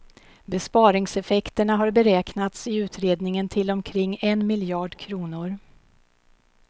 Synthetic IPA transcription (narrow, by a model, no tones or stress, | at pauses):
bɛspɑːɾɪŋsɛfɛkt̪əɳaɦaɾbɛɾɛːknat̪sɪʉ̟ːt̪ɾeːd̪nɪŋənt̪ʰɪlɔmkʰɾɪŋːɛnmɪljɑːɖkʰɾuːnʊɾ